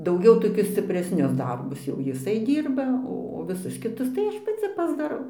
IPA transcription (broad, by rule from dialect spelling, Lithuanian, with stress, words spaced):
dɐʊˈɡʲɛʊ toːˈkʲʊs sʲt͡sʲɪpʲrʲɛsʲˈnʲʊs ˈdɐrbʊs jɛʊ jɪˈsɐɪ ˈdʲiːrbɐ ˈoː oː ʋʲɪˈsʊs kʲɪˈtʊs tɐɪ ˈɐʃ pɐˈt͡sʲɪ pɐzdɐˈrɐʊ